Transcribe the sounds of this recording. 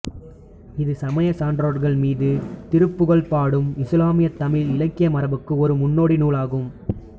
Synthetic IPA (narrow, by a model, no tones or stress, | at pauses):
ɪðɯsɐmɐjɐsaːɳɖɾoːɽɣɐɭmiːðɯt̪ɪɾɯpːɯɣɐɭpaːɽɯmɪslaːmɪjɐt̪ːɐmɪlɪlɐkːɪjɐmɐɾɐʋɯkːɯɔɾɯmʊnːoːɽinuːɭaːɣɯm